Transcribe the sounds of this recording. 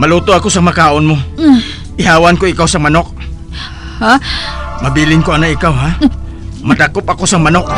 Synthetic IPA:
mɐluːt̪oɐko̞sɐŋmɐkaːʔonmo | ʔɪhaːwɐnkoɪkawsɐŋmɐnok̚ | amɐbiːlɪŋkoɐnoɪkawɦa | mɐd̪akopɐko̞sɐŋmɐnok̚

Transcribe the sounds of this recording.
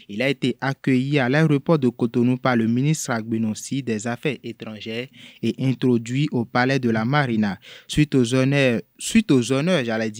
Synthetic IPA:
ilaet̪eʔakøjialaeɾopɔd̪əkot̪onũpaləmĩnist̪ɾaɡ͡benɔ̃sid̪ɛzafɛʔet̪ɾɑ̃ʒɛeʔɛ̃t̪ɾod̪ɥiʔopalɛd̪əlamaɾina | sɥit̪ozonœʒalɛdi

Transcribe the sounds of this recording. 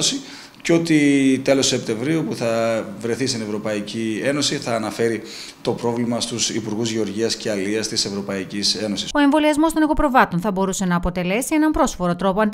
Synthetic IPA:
osi | co̞t̪it̪e̞losse̞p̚t̪e̞ɱvɾiupuθɐvɾe̞θist̪ine̞vɾo̞pɐicie̞no̞siθɐːnɐfe̞ɾi | t̪o̞pɾo̞vlimɐst̪usipuɾɣuzʝeo̞ɾʝiɐsce̞ɐliɐst̪ise̞vɾo̞pɐicise̞no̞siso̞e̞ɱvo̞liɐzmo̞st̪o̞nɐko̞pɾo̞vɐt̪o̞nθɐbo̞ɾuse̞nɐːpo̞t̪e̞le̞sie̞nɐmpɾo̞sfo̞ɾot̪ɾo̞poɐnd̪

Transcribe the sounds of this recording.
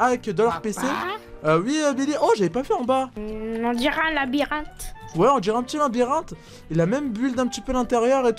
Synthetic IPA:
avɛkd̪ɔlœʁpeseøwiøbeliʔɔʒavɛpavyɑ̃baɔ̃d̪iʁɛlabiʁɛ̃t̪wɛɔ̃d̪iʁãɛ̃pət̪iølabiʁɛ̃t̪ | ilamɛmbyld̪ɛ̃pət̪ipølɛ̃t̪eʁjœʁet̪u

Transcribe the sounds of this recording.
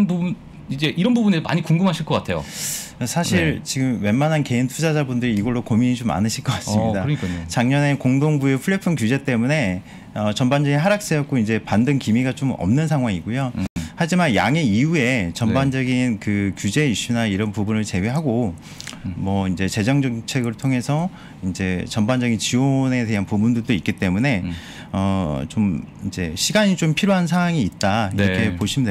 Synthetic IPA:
nbubun | id͡ʑe̞ʔiɾʌnbubunedoma̰ɲikuŋɡumɦaɕʰiɭk͈ʌk͈atʰe̞jo̰sʰaɕʰiɾt͡ɕiɡɯmwe̞nmːanɦanke̞intʰud͡ʑad͡ʑabundɯɾiːɡʌɭːokominid͡ʑoma̰nɯɕʰiɭk͈ʌk͈as͈mɲidaɯɾʌɲik͈ʰaɲot͡ɕaŋɲʌne̞koŋdoŋbue̞pʰuɭːepʰɯnkjud͡ʑe̞t͈e̞mune̞ | ʌt͡ɕʌmband͡ʑʌɡinɦaɾak̚s͈ejʌk̚k͈oind͡ʑe̞pandɯnkimiɡat͡ɕomʌ̰mnɯnsʰaŋɦwaŋiɡojohad͡ʑimanja̰ŋe̞iue̞t͡ɕʌmband͡ʑʌɡinkɯkjud͡ʑe̞iɕ͈unaiɾʌnpubunɯɭt͡ɕe̞weɦaɡo | mʌind͡ʑe̞t͡ɕe̞d͡ʑʌŋd͡ʑʌŋt͡ɕʰe̞ɡɯɭtʰoŋe̞sʰʌ | ind͡ʑe̞t͡ɕʌmband͡ʑʌɡint͡ɕione̞te̞ɦanpubundɯɭdoik͈it͈e̞mune̞ | ʌt͡ɕomind͡ʑe̞ɕʰiɡaɲit͡ɕompʰiɾjoɦans̬ʰawaŋiːt̚t͈aiɾʌkʰe̞poɕʰimide

